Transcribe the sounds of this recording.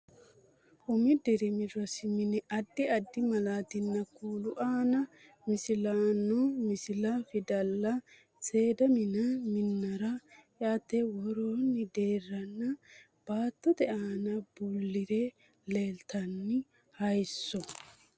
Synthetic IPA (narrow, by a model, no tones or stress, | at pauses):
ʔʊmɪd̪ɛɾɪmɪɾɔsɪmɪnɪɐd̪ːɪɐd̪ːɪmɐlaːt̪ɪnːɐkuːlʊʔaːnɐ | mɪsɪlaːnɔmɪsɪlɐfɪd̪ɐlːɐ | se̞ːd̪ɐmɪnɐmɪnːɐɾɐjaːt̪ːɛwɔɾoːnːɪd̪e̞ːrːɐnːɐ | b̥aːt̪ːɔd̪ɛʔaːnɐbʊlːɪɾɛ | le̞ːlt̪ɐnːɪ | hɐjsːɔ